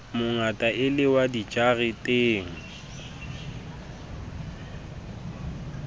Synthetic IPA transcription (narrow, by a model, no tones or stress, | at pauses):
mʊŋatʼaʔɪlɪwadit͡ʃʼaɣɪtʼeːŋ̩